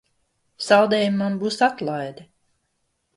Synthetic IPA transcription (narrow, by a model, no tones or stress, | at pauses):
sald̪ɛːjmːanbuːsat̪lˠajd̪ɛ